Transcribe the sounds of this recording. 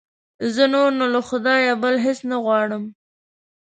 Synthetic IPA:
zənoɾnolaxʊd̪ɑjabəlɦɪsnaɣwɑɽəm

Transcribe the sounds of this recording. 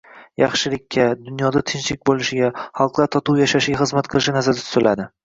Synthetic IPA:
jɑχʃɪlɪkʲːad̪ʊnjɒd̪at̪ʰɪnt͡ʃlɪk̚ʲbolˠɪʃɪɡʲaχɑlˠqlˠaɾt̪ʰɒt̪uwjaʃaʃɪɡʲaχɨzmat̪̚qʰɨlˠɪʃɪnazaɾd̪at̪ʰʊ̥t̪ʰlʔad̪ɪ

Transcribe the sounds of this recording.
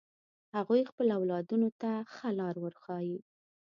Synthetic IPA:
haɣujxpəlawlɑd̪unot̪axalɑɾwəɾxɑji

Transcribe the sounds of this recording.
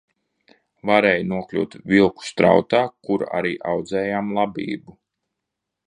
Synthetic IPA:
vaɾɛːjnuɔklʲṵːt̪vʲilˠku̥st̪ɾa̰wt̪aːkuɾa̰ɾiːʔa̰wd̪zɛːjaːmlˠabʲḭːbu

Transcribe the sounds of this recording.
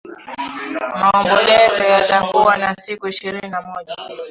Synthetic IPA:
maɔmbɔlɛzɔjataŋɡuwanasikuiʃiɾininamɔʄa

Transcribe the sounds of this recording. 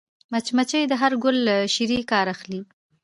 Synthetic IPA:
mat͡ʃmat͡ʃəjd̪əɦaɾɡʊlːaʃiɾikɑɾaxli

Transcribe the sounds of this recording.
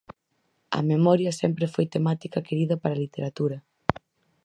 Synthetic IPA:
ɐ̰memɔɾjɐsɛmpɾefojt̪emat̪ikɐkeɾiðɐpaɾɐlit̪eɾat̪uɾɐ

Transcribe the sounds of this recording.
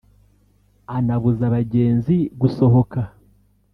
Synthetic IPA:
anaβuzaβaɟe̞ːnziɡuso̞ɦo̞ka

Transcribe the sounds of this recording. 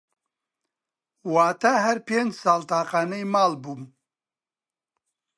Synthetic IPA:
waːt̪ɐɦɛɾpeːnd͡ʒsaːlt̪aːqaːnɛjmaːlbuːm

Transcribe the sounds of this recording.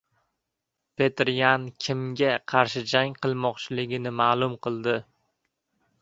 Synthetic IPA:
pʰe̞t̪ɾjankʲʰɪmɡʲaqʰɑɾʃɪd͡ʒaŋqʰɨlˠmɒqt͡ʃʰɪlɪɡʲɪnɪmaːlˠʊmqʰɨlˠd̪ɪ

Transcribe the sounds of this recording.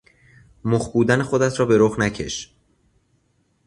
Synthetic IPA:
moχbuːd̪ænexo̞d̪æt̪ʰɾɒːbe̞ɾoχnæcʰe̞̰ʃ

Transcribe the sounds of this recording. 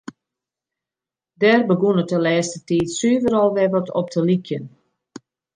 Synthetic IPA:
dɛrbəɡunətəlɛːstətiːtsyvəɾɔlˠʋɛvətʰɔp̚tʰəlikjən

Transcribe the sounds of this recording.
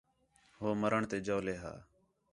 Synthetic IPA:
ɦoːməɾəɳt̪eːd͡ʒoːleːɦa̰ː

